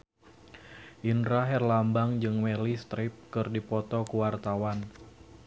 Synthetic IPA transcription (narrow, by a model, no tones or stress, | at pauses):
ʔindɾaɦɛrlambaŋd͡ʒɨŋmɛlist̪ɾɪp̚kɨrdipɔt̪ɔkuwart̪awan